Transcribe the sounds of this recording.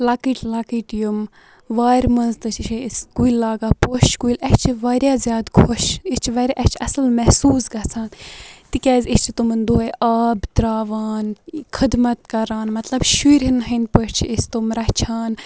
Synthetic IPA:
lɐkiʈʰlakiʈjum | ʋaːɾʲmɐnzt̪ɨt͡ʃʰiʃʰiskuilːaːɡaːpoʃkuilɛt͡ʃʰiʋaːɾjaːzʲjaːd̪kʰoʃist͡ʃʰiʋɐɾʲaʔɛt͡ʃʰɐsɨlmɛhsuːzɡɐt͡sʰaːnt̪ikʲɛːzʲist͡ʃʰit̪umɨnd̪uɐʔaːbd̪ɾaːʋaːnkʰɨd̪mɐt̪kɐɾaːnmɐt̪lɐbʃuiɾʲɦinɦɐnpəʃt͡ʃʰiist̪umɾɐht͡ʃʰaːn

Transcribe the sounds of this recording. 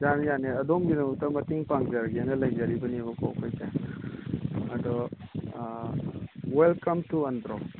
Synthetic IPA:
zanjaneɐdomɡinɐŋuk̚tɐmɐtiŋpaŋzaɾɡianɐlɐjd͡ʒaɾibɐniɐβɐkʰoɐkʰojkaj | ɐdɔ | welkɐmtuɐndɾɔ

